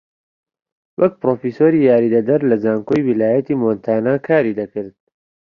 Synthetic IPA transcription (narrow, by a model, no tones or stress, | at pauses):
wɐk̚pɾoːfisoːɾiːjaːɾiːd̪ɐd̪ɐɾlɐzaːŋkojwilaːjɐt̪imoːnt̪ʰaːnaːkʰaːɾiːd̪ɐkɨɾd̪̚